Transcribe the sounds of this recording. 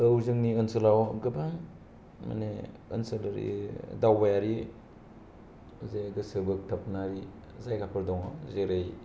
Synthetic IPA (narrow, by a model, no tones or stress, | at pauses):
ɯwzɯŋniɯnsɯlawɡɯbaŋ | ma̰ne | ɯ̰nsɯlɾḭdawbajaɾi | zeɡɯsɯbɯk̚tʰap̚naɾi | zajkʰapʰɯɾdɔŋɔzeɾej